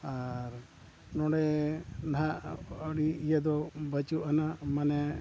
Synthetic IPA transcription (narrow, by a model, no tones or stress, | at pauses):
aɾ | nɔɽɛnaɔɽiijed̪ɔbət͡ʃuʔanamanɛ